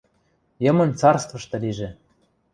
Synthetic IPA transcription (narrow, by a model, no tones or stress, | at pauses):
jɤ̆mɤ̆nt͡sɑrst̪vɤ̆ʃt̪ɤ̆liʒĕ